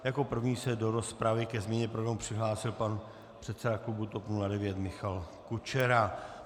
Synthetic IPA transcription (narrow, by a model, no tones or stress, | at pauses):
jako̞pr̩vɲiːsɛdo̞ɾo̞spɾavɪkɛzmɲɛɲɛpɾoɡɾamupr̥ɪɦlaːsɪlpan | pr̥ɛt̪sɛdaklubut̪o̞pnuladɛvjɛt̪mɪxal | kut͡ʃɛɾa